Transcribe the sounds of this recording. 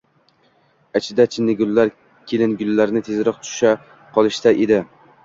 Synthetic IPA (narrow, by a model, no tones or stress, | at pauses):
at͡ʃʰɪd̪at͡ʃʰɪnːɪɡʊlːaɾ | kʲʰelɪnɡʊlːaɾnɪt̪ʰezɾɒq̚t̪ʰʊ̥ʃa | qʰɒlˠɪʃt̪ʰaʔed̪ɪ